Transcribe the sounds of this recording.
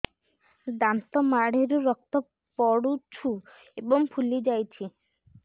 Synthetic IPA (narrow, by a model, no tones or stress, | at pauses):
d̪ant̪ɔmaɽeɾuɾɔk̚t̪ɔ | pɔɽut͡ʃʰu | ebɔŋpʰulid͡ʒajt͡ʃʰi